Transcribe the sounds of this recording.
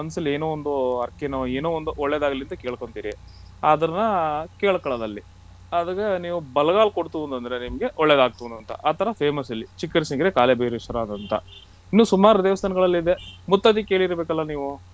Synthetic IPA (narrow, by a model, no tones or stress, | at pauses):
ɐnsɐlːeːnoːond̪uɐɾkenoːeːnoːond̪uʔɔɭːed̪aːɡɐliɐnt̪ɐkeːɭko̞ɳt̪iːɾi | ad̪ɐɾɐnːɐkeːɭkɐɭɐd̪ɐlːi | ɐd̪ɐɡeniːʋubɐlɐɣaːlkoɽt̪uʋund̪ɐnd̪ɐɾenimɐɡe̞ʔɔɭːed̪aːɡ̚t̪uʋunɐnt̪ɐ̰ʔaːt̪ʰɐɾɐpʰeːmɐsɐlːit͡ʃikːɐɾsiŋɡɐɾekaːlebeːɾiʂɐɾaːd̪ɐnt̪ɐ̰ | inːuːsumaːɾɐd̪eːʋɐst̪ʰɐnɐɡɐɭɐlːid̪e̞mut̪ːɐt̪̬ikeːɭiɾɐbeːkɐlːɐniːʋu